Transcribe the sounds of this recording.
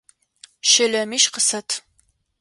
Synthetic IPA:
ʃɐlɐmiʃqəsɐtʰ

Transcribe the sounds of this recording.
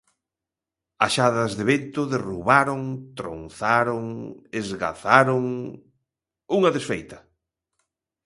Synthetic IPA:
aʃaðɐzðeβent̪ʊðeruβaɾoŋt̪ɾo̰nθaɾoŋezɣa̰θaɾoŋ | uŋɐðesfejt̪ɐ

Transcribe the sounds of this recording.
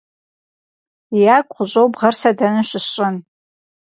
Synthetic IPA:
ijaːkʷʼqʷʊɕʼowbʁɐrsɐdɐnɨʃɪɕʼɪn

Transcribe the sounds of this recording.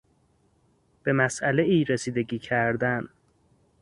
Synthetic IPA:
b̥e̞mæsʔæle̞ʔiːɾesiːd̪e̞ɟiːcʰæɾd̪æn

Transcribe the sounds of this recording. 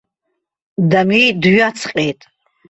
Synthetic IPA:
d̪amid̪ɥjat͡sʰqʼɛːt̪ʼ

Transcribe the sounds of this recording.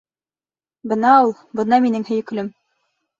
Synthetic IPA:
bɤnɑulˠbɤ̆nɑminɘŋhɵ̆jɘ̆k̆lɵm

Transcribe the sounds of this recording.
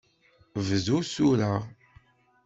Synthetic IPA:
vəzusuɾaʁ

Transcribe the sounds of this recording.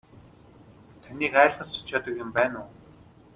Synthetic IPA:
t̪ʰaniːkæːɮχə̆ɮt͡sʊ̥t͡ɕʰaːt̪ə̆kjɪ̆mpæːnʊː

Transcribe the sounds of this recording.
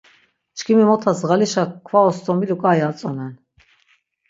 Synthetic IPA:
t͡ʃkʰimimɔt̪ʰasʁaliʃakʰvaɔst̪ʰʼɔmilukʼajat͡sʼɔnɛn

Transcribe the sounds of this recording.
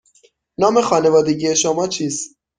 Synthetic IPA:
nɒːme̞xɒːnevɒːd̪eɟije̞ʃomɒːt͡ʃʰiːst̪

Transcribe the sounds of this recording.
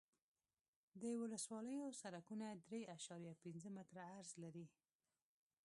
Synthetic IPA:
d̪əwʊləswɑləjosaɾakunad̪ɾeaʃɑɾjapinzəmɪt̪ɾaːɾzlaɾi

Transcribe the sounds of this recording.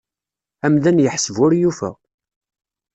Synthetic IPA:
æmðænjəħsəvʊɾjufæ̰

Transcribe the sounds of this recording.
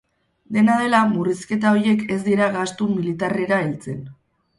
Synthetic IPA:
d̪e̞nað̞e̞lamuriske̞t̪̬ao̞ɾje̞ke̞zd̪iɾaɣast̪umilit̪are̞ɾaelt͡se̞n

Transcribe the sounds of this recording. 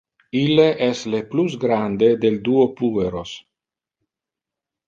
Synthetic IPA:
ilːeʔɛsleplusɡɾand̪ed̪eld̪uopueɾos

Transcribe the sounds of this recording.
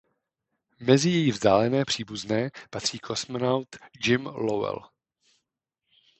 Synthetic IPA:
mɛzɪjɛjivzdaːlɛnɛːpr̝̥iːbuznɛːpat̪r̥iːkʰosmonawt̪d͡ʒɪmlowɛ̰l

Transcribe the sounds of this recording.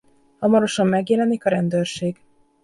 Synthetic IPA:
hɒmɒɾo̞ʃɒmːɛɡjɛlɛnikɒɾɛnd̪øːrʃeːɡ

